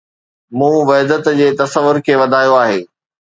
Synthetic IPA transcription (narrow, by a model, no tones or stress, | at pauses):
mũːʋɐɦd̪ət̪d͡ʑeːt̪ɐsəʋːʊɾkʰeːʋɐd̪ʱaːjoaːɦeː